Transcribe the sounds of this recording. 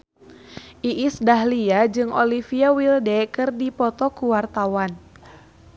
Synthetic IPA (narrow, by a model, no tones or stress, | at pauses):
ʔiʔːsdaɦliad͡ʒɨŋɔlifiawildɛkɨrdipɔt̪ɔkuwart̪awan